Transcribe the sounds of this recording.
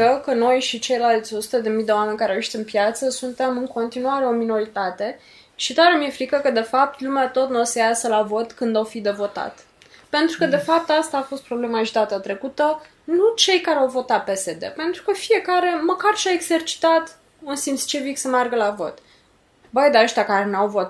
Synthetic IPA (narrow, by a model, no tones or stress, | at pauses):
əkəno̞jʃit͡ʃe̞jlalt̪sʲo̞su̥t̪əd̪e̞mijd̪e̞wame̞nʲkaɾeaweʃt̪ɨnpjat̪səsunt̪e̞mɨŋko̞nt̪inuaɾe̞o̞mino̞ɾit̪at̪e̞ | ʃit̪aɾemije̞fɾikəkəd̪e̞fap̚t̪lumeat̪o̞t̪nosejasəlavo̞t̪kɨnd̪awfid̪e̞vo̞t̪a̰t̪ | pe̞nt̪ɾukəd̪e̞fap̚t̪ast̪aːfo̞st̪pɾo̞ble̞maʒd̪at̪at̪ɾe̞kut̪ə | nut͡ʃe̞jkaɾeawvo̞t̪at̪̚pe̞se̞d̪e̞̰pe̞nt̪ɾukəfie̞kaɾe̞məkarʃiaeɡze̞rt͡ʃi̥t̪at̪ | unsint̪st͡ʃeviksəmearɡəlavo̞t̪ | bəjd̪aəʃt̪ʲakaɾe̞nawvo̞t̪